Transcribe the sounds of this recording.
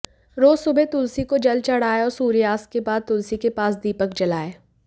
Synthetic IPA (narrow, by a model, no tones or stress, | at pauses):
ɾoːzsʊbʱet̪ʊlsikod͡ʒɐlt͡ʃɐɽ̤aːeɔːɾsuːɾjaːskebaːd̪̚t̪ʊlsikepaːsd̪iːpəkd͡ʒɐlaːeː